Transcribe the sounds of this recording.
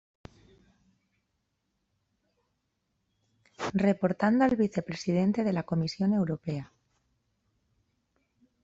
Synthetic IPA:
re̞po̞ɾt̪and̪oalβiθe̞pɾe̞sið̞e̞nt̪e̞ð̞e̞lako̞misjo̞ne̞wɾo̞pe̞a

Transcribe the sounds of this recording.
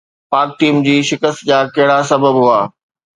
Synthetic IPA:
paːk̚ʈiːmd͡ʑiːʃɪkəst̪d͡ʑaːkɐɦɪɽasɐbəbɦuaː

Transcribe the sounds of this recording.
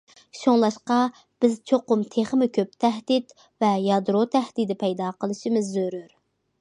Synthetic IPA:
ʃoŋlˠɑʃqɑ | b̥ɪzt͡ʃʰoqʊmt̪ʰeχmɪkʲʰøp̚t̪ʰɛhd̪it̪ | vɛjɑd̪ɾot̪ʰɛhd̪ɪd̪ɪpʰɛjd̪ɑːqəlˠɨʃimɪzːøɾyɾ

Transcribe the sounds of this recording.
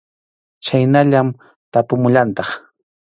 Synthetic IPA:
t͡ʃajnaʎam | t̪apʊmʊʎant̪ɑχ

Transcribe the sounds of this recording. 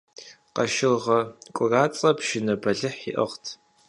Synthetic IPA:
qɐʃɪlʁɐkʷʼʊraːt͡sʼɐpʰʃɪnɐbɐɮɨħḭʔɐ̰ʁtʰ

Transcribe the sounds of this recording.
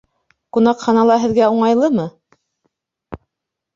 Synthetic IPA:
kunɑqχɑnɑlˠɑɦɘ̆ðɡæuɴɑjlˠɤmɤ

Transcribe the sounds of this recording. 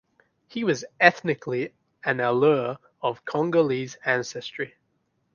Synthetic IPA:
hiwʌzɛθnɪkʰli | ɨ̃nəlɜː | əv̥kʰɑ̃ŋɡəlizæ̃nsɛstɹ̥i

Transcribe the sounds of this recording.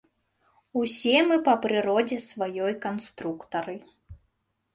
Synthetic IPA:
usʲɛmɨpɐpɾɨɾɔd͡zʲɛsvajɔjkɐnst̪ɾukt̪ɐɾɨ

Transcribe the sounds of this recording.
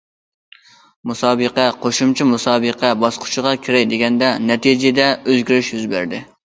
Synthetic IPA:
musɑːbəqɛqʰoʃumt͡ʃʰimusɑːbəqʰɛbɑsqʰʊ̥t͡ʃʰɪʁɑkʲʰɪɾɛjd̪eɡʲɛnd̪ɛnɛt̪id͡ʒɪd̪ɛøzɡʲiɾɪʃjyzbæ̰ɾd̪ɪ

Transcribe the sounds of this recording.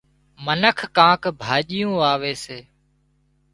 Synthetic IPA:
mənəkʰːãːkbʱaːʄɪjũːaːʋeːseː

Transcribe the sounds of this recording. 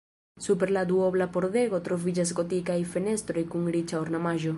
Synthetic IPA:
supeɾlad̪uoβlapoɾðeɣot̪ɾovid͡ʒazɡot̪ikajfenest̪ɾojkuŋɾit͡ʃaoɾnamaʒo

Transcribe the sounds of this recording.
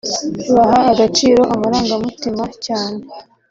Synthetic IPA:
uβaɦaːɡat͡ʃiːɾo̞ʔamaɾaːŋɡamutimacaːne̞

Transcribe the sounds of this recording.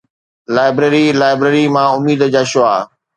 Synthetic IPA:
laːɪbɾeːɾilaːɪbɾeːɾimãʊmiːd̪əd͡ʑaːʃʊaː

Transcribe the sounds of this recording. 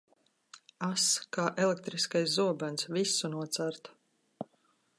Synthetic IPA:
askaːʔɛlekt̪ɾiskajszuɔbansvisːunuɔt̪saɾt̪

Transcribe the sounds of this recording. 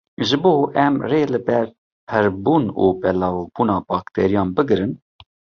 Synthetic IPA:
ʒɨboːʔɛmreːlɨbɛɾ | pʰɛɾbuːnuːbɛlɑːvb̥uːnɑːbɑːkt̪ʰɛɾijɑːnbɨɡɨɾɨn

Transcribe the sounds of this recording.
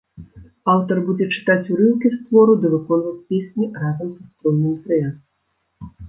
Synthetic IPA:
awt̪ɐrbud͡zʲɛt͡ʂɨ̥t̪at͡sʲuɾɨwkʲist̪vɔɾud̪ɨvɨkɔnvɐt͡sʲpʲesʲnʲirazɐmsɐst̪ɾɔnːɨmt̪ɾɨjas

